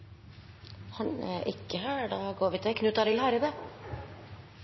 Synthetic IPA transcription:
hɑnɛ̰ʔɪkːəɦæːɖɑːɡoːɾʋɪt̪ʰɛkʰnʉːt̪ɑɾɪlhɑɾəbə

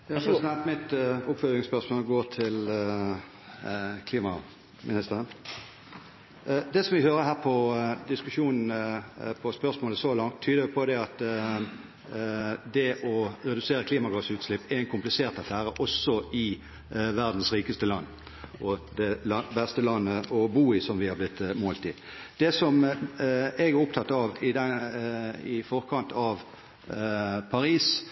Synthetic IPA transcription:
ɑɑpʰɾɛsɪd̪ɛnt̪mɪt̪ʊpfœlɪŋspœʁsmoːlɡoːʁt̪ʰɪl | kʰliːmɑ | mɪnɪst̪əʁən | d̪ɛsɔmʋɪhøːɾəɦæːʁpʰɔd̪ɪskʉʂuːnn̩pʰɔspœʁsmoːləsɔlɑŋt̪ʰːyːd̪əjʊpʰɔd̪ɛɑt̪ | d̪ɛʔɔɾɛd̪ʉseːɾəkʰliːmɑɡɑsʉːt̪slɪpːɛɛɪnkʰʊmplɪseːʁt̪ɑfæːɾəʔɔsːɔɪ | ʋæʁd̪n̩sɾiːkəst̪əlɑnː | ʔɔd̪ɛɑbɛst̪əlɑnːəʔɔbuːɪsɔmʋɪhɑblɪt̪ːmoːlt̪ɪ | d̪̥ɛsɔm | ɛɡæɾʊpt̪ʰɑt̪ːɑʋɪd̪ɛ | ɪfɔʁkʰɑnt̪ʰɑʋ | pʰɑɾiːs

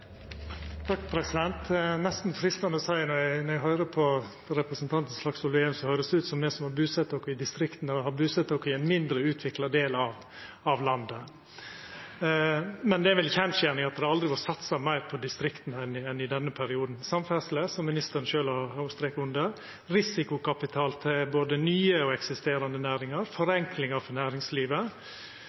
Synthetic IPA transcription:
t̪ʰɑkːpʰɾɛsɪd̪ɛnt̪nɛst̪n̩fɾɪst̪ɑnəɔsæɪnɔɾjænɔɾjæɡɦœʏɾəpʰɔ | ɾɛpɾəsənt̪ʰɑnt̪n̩slɑksɔleːʉmsɔhœʏɾəsd̪ʉːt̪sɔmd̪ɛsɔmhɑɾbʉːsɛt̪ːokɔɪd̪ɪst̪ɾɪkt̪n̩ɛhɑbʉːsɛt̪ːokːɪɛnmɪnd̪ɾəʉːt̪ʰʋɪklɑd̪eːlɑʋ | ɑʋlɑnd̪ə | mɛnd̪ɛʋɪlçɛnʃjæːnɪŋɑt̪̚d̪ɛhɑɾɑld̪ɾɪʋɑʈsɑt̪sɑmæɪɾpʰɔd̪ɪst̪ɾɪkt̪nɛnɛnɪd̪ɛnːəpʰæɾɪuːd̪nsɑmfæsləsɔmːɪnɪst̪əɾənʃøːlɑhɑst̪ɾeːkʊnd̪əɾ | ɾɪsɪkʊkʰɑpɪt̪ʰɑːlt̪ʰɪlboːd̪ənyːəɔɛksɪst̪eːɾɑnd̪ənæːɾɪŋɑɾfɔɾɛŋklɪŋɑɾfɔɾnæːɾɪŋsliːʋə

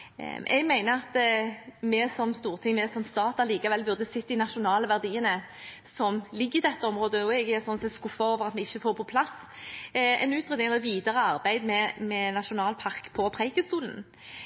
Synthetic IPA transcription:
ʔɛ̰ɡmæɪnəɑt̪ | mɛsɔmst̪uːʁt̪ʰɪŋmɛsɔmst̪ɑːt̪ɑliːkɑʋɛlbʉʁd̪əsɪt̪ːɪnɑʃʊnɑːləʋæʁd̪iːənə | sɔmlɪɡːəɪd̪ɛt̪ːəɔmʁoːd̪əjʊɛɡɛʁsɔnsɛskʊfːɑoːʋəʁɑt̪mɛɪçːəfoːʁpʰɔpʰlɑs | ɛ̰nʉːt̪ʁɛd̪ɪŋɛlɛʋiːd̪əʁəɑʁbæɪd̪mɛmɛnɑʃʊnɑːlpʰɑʁkpʰɔpʰʁæɪkəst̪uːlən

